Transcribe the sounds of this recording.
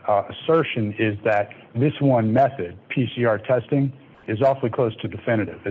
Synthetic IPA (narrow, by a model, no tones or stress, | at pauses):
əsɜ˞ʃɨ̃nɪzðɨt̪̚ | ðɪswʌ̃nmɛθɨd̚pʰisiɑɹtʰɛstɪ̃ŋ | ɨzɔfl̩ˠikʰl̥oʊstʰɨdɨfɪ̃ñɨɾɪ̰vɨ